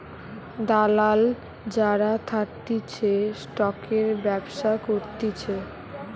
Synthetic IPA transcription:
d̪alal | d͡ʑaɾat̪ʰaʈit͡ɕʰesʈɔkeɾbɛbʃakoɾt̪it͡ɕʰe

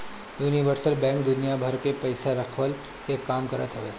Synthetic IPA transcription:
juːniʋəɾsəlbɛ̃ːŋkd̪ʊnijabʱɐɾkepɐɪsaɾɐkʰʋəl | kekaːmkɐɾə̰t̪ɦoʋeː

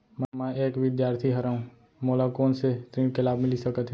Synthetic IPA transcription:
mɛ̃mãeːkʋɪd̪jaːɾt̪ʰiɦəɾaũ | moːlakɔːnset̪ɾĩːkelaːbmɪlisəkət̪ʰː

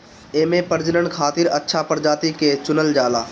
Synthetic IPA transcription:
eːmẽpəɾd͡ʒənəɳkʰaːt̪ɪɾətːʃʰapəɾd͡ʒaːt̪iket͡ʃʊnəld͡ʒaːlaː

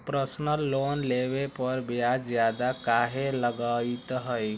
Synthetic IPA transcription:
pɾəsnəlːonleβepəɾbjazjad̪akaɦeləɡəit̪ɦəj

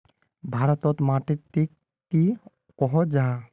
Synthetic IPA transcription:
bʱaɾɔt̪ɔt̪maʈitikː | i | kɔɦɔd͡ʒa

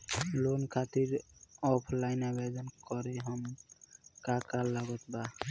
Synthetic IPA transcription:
lonkʰat̪iɾɔpʰlaɪnabʱed͡ʒənkɔɾeɦəm | kakalːaɡɔt̪ba

